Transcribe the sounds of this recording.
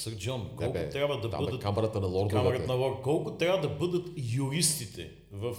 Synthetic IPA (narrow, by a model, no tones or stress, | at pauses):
səɾd͡ʒɔnkɔlˠʊt̪ɾʲjabvəd̪ɐb̪ɤd̪ətkamɐɾɐt̪ənɐlˠɔɾdk̪amɐɾɐnɐlˠɔɾd̪kɔlˠkʊt̪ɾʲjavɐd̪ɐbɤd̪ət̪juɾist̪it̪ʰɛ̰ | vɐf